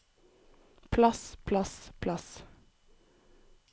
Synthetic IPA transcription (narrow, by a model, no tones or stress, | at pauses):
pʰlɑspʰlɑspʰlɑs